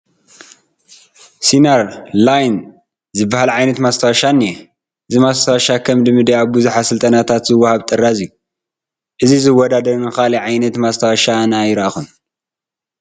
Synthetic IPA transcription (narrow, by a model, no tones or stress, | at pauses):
sinaɾlajn | zɨbːahalʕajnɐt̪mast̪ʰawaʃanːi | ʔɨzimast̪ʰawaʃakʰɐmd̪ɨmɨd̪eaβbuzuħasɨlt̪ʼɐnat̪ʰat̪zɨwːahaβt̪ʼɨrːazɨju | ʔɨzizɨwːɔd̪ad̪ɐɾnɨkaliʕajnɐt̪mast̪ʰawaʃanajɾaxun